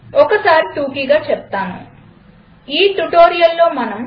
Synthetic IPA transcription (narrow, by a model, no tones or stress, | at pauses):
ɔkːɐsaːɾit̪uːkiɡaːt͡ʃep̚t̪aːnṵ | iːt̪uʈo̞ːɾijɐlːo̞ːmɐnɐm